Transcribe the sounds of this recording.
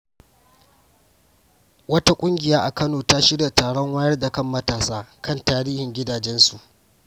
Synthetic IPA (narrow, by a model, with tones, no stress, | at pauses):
wɐ˦ta˦kʷʼʊ˦ŋɡʲɪ˨jaː˦ʔa˨kɐ˦noː˨ta˦ʃɪ˦ɽja˨taː˨ɽɔ˦ŋwaː˦jɐ˦rda˨kɐ˦˨mːɐ˦taː˨saː˦kɐ˦˨ntaː˦ɾiː˦hɪ˨ŋɡʲɪ˦daː˨d͡ʒɛ˦nsu˨ʔ